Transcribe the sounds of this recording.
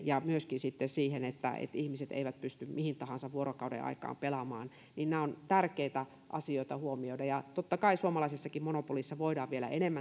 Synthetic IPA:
jɑmyøskinsit̪ːesiːhenet̪ːæ̰ḛt̪ihmiset̪ḛiʋæt̪̚pyst̪ymmihint̪ɑhɑnsɑʋʋuorokɑudḛʔɑ̰ikɑ̰ːmpelɑmɑ̰ːn | ninnæːont̪ærkeit̪æ | ʔɑ̰sioit̪ɑhuomioidɑjɑt̪ot̪ːɑkɑisuomɑlɑisesːɑkimmonopolisːɑʋoidɑːʋʋielæ̰ʔenemːæ

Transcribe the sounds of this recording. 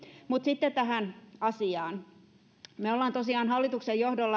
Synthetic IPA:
mut̪sit̪ːet̪t̪æɦænɑsiɑːn | meolːɑːnt̪osiɑːnhɑlːit̪uksejjohdolːɑ

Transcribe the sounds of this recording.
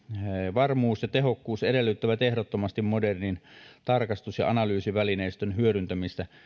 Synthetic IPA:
ʋɑrmuːsjɑt̪eɦokːuːsedelːyt̪ːæʋæt̪ehdot̪ːomɑst̪immodernint̪ɑrkɑst̪usjɑ̰ɑnɑlyːsiʋælineˑist̪ønhyøɾynt̪æmist̪æ

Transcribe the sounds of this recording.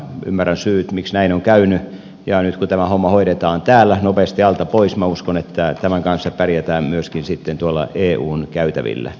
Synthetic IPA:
y̰mːærænsyːt̪miksnæinoŋkæyny | jɑnyt̪kut̪æmæhomːɑhoiɾet̪ɑːnt̪æːlːˑænopest̪iɑlt̪ɑpoismæuskonet̪ːæt̪æmæŋkɑnsːɑpærjæt̪æːmmyøskinsit̪ːent̪uolːɑ̰ʔeːʔṵːnkæyt̪æ̰ʋḭlːæ̰

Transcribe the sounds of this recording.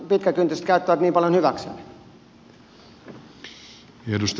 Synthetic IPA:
pit̪kækynt̪ːyset̪kæyt̪ːæʋæt̪niːmpɑljonhyʋæksḛːn | edust̪

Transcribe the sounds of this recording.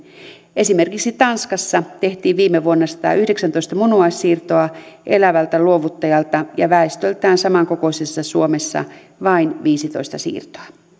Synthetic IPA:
ʔe̞sime̞rkiksit̪ɑnskɑsːɑt̪e̞ht̪iːʋʋiːmːeʋuonːɑsɑ̥t̪ɑ̰ːʔyhde̞ksænt̪o̞ist̪ɑmunuɑsiːrt̪o̞ɑʔe̞læʋælt̪æluoʋut̪ːɑjɑlt̪ɑjɑ̰ʋæˑest̪ølt̪æːnsɑmɑŋko̞ko̞isesːɑsuomesːɑ̰ | ʋɑinʋiːsit̪o̞̰ist̪ɑsḭːrt̪oɑ

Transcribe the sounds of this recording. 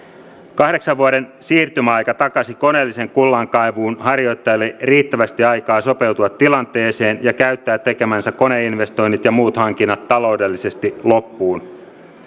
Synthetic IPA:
kɑhdeksɑʋʋuɑɾe̞nsiːrt̪ymæɑjkɑt̪ɑkɑsiko̞neːlːise̞ŋkulːɑŋkɑjʋuːnhɑrjo̞jt̪ːɑjɑlːeriːt̪ːæʋæst̪iɑjkɑːso̞pe̞wt̪uɑt̪ːilɑnt̪e̞ːse̞ːnjɑkæyt̪ːæːt̪ːekemænsækko̞ne̞inʋe̞st̪o̞jnːit̪jɑmuːt̪hɑŋk̟inːɑt̪ːɑlo̞ude̞lːise̞st̪ilo̞pːuːn

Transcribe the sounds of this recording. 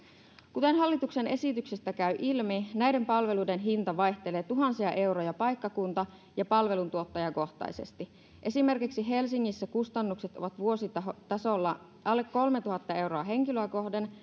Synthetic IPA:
kut̪e̞nɦɑlːit̪uksene̞sit̪yksest̪ækæyʔilminæjde̞mpɑlʋe̞lujde̞nɦint̪ɑʋɑjçt̪e̞leːt̪uɦɑnsiɑʔe̞wɾojɑpɑjkːɑkunt̪ɑ | jɑpɑlʋe̞lunt̪uot̪ːɑjɑko̞ht̪ɑ̰jse̞̰st̪i | ʔe̞sime̞rkiksiɦe̞lsiŋːisːækust̪ɑnːukset̪oʋɑt̪ʋuo̞sit̪ɑot̪ɑsolːɑ | ʔɑlːekːo̞lmet̪uhɑt̪ːɑe̞wɾo̞ɑɦe̞ŋkiløːko̞hden

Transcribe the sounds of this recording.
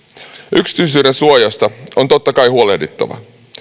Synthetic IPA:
ʔyksi̥t̪yːs̬yːde̞nsuojɑst̪ɑo̞nt̪o̞t̪ːɑkɑjɦuolehdet̪ːɑ̰ʋɑ̰

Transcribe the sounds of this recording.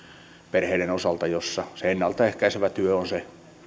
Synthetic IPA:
perheiɾenosɑlt̪ɑjosːɑseenːɑlt̪ɑehkæiseʋæt̪yøonse

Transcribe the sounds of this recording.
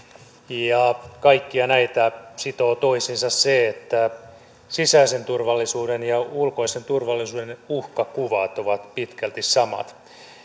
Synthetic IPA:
jɑkɑikːiɑnæit̪æsit̪oːt̪oisinsɑsseet̪ːæ | sisæise̞nt̪urʋɑlːisuːdenjɑulko̞isent̪urʋɑlːisuːdenuhkɑkuʋɑt̪oʋɑt̪pit̪kælt̪issɑmɑ̰t̪

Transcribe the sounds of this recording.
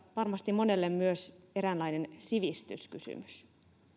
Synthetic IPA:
ʋɑrmɑst̪imːo̞ne̞lːemmyøse̞ɾænlɑjne̞nsiʋist̪ysky̰sy̰mys

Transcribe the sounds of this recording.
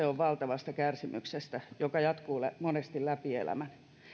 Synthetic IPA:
eoʋʋɑlt̪ɑʋɑst̪ɑkærsimy̰ksest̪æjokɑjɑt̪kuːlæmonest̪illæpiḛlæ̰mæn

